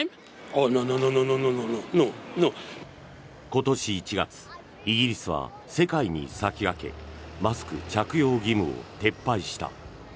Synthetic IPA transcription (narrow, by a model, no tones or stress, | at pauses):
onõnõnõnõnõnõnononõno | ko̞t̪o̞ɕiːt͡ɕiɡat͡sɨ̥ | iɡʲiɾʲisɨβ̞a̰ | se̞kaiɲ̟ḭsakʲiɡake̞̰masɨ̥kɯ̟̰t͡ɕakɯ̟jo̞ːɡʲimɯ̟o̞̰t̪e̞pːaiɕi̥t̪a̰